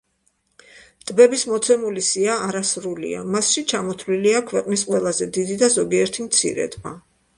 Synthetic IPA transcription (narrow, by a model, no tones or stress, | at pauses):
t̪ʼbɛbismɔt̪sʰɛmulisiaːɾasɾulḭa̰masʃit͡ʃʰamɔt̪ʰliliakʰwɛqʼnisqʼwɛlˠazɛd̪id̪id̪azɔɡiɛɾt̪ʰimt̪sʰḭɾɛ̰d̪ʼba̰